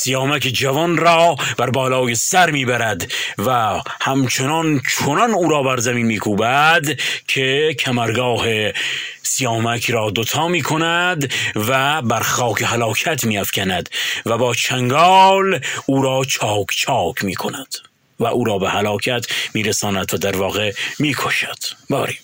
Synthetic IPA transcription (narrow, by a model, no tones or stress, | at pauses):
sijɑːmæked͡ʒævɒnɾɒːb̥æɾbɒːlɑːjesæɾmiːbæɾæd̪væ | hæmt͡ʃʰenɒnt͡ʃʰonɒnuːɾɒːbæɾzæmiːnmiːkʰuːbæd̪kʰekʰæmæɾɡɒːhe | sijɑːmækʰɾɒːd̪ot̪ʰɑːmiːkʰonæd̪væbæɾxɑːkʰehælɑːkʰæt̪ʰmiːæfkʲʰænæd̪væbɒːt͡ʃʰæŋɡɒːluːɾɒːt͡ʃʰɑːkʰt͡ʃʰɑːkʰmḭːkʰonæd̪̥ | væʔuːɾɒːbehælɑːkʰæt̪ʰmiːɾesɑːnæd̪væd̪æɾvɒːɣemiːkʰoʃæ̥d̪̥bɒːɾi